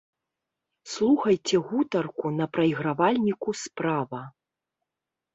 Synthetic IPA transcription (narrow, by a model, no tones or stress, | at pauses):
slˠuxɐjt͡sʲɛɣut̪ɐrkunɐpɾɐjiɣɾavalʲnʲikuspɾavɐ